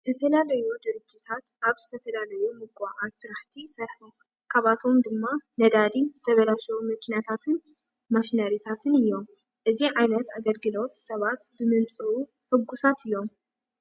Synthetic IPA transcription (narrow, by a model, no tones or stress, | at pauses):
zɐfɐlalɐjud̪ɨɾɨd͡ʒːit̪ʰat̪ʔaβzɨt̪ʰɐfɐlalɐjumɨɡʼaʔasɨɾaħt̪ʰisɐɾħum | kʰaβat̪ʰo̞md̪ɨmːanɐd̪ad̪izɨt̪ʰɐβɐlaʃɐwumɐkʰinat̪ʰat̪ʰɨn | maʃinɐɾit̪ʰat̪ʰɨnɨjːo̞m | ʔɨziʕajnɐt̪aɡɐlɡɨlo̞t̪sɐβat̪bɨmɨmt͡sʼɨu | ħɨɡːusat̪ɨjːo̞m